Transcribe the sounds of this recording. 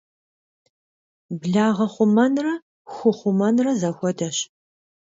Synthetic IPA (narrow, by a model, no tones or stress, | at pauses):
bɮaːʁɐχʷʊmɐnrɐ | xʷʊχʷʊmɐnrɐzɐxʷɔdɐɕ